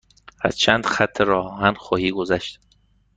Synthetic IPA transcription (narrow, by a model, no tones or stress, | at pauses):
hæ̰z̥t͡ʃʰænd̪xæt̪ʰːeɾɒːhænxɔːhiːɡozæʃt̪